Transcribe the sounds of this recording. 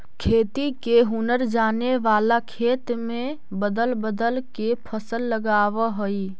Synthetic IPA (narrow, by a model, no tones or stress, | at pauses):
kʰeːt̪ikeɦunəɾd͡ʒaːneʋaːlakʰeːt̪mẽ | bəd̪əlbəd̪əlkepʰəsəlːəɡaːʋəɦəi